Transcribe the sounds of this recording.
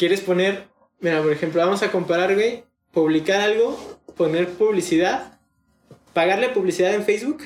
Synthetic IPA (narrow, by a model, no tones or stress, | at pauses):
kje̞ɾe̞spo̞ne̞ɾ | miɾapo̞ɾexe̞mploβamo̞sako̞mpaɾaɾɣwej | puβlikaɾalɣo̞po̞ne̞ɾpuβlisiðað | paɣaɾle̞puβlisiðaðe̞nfejzβuk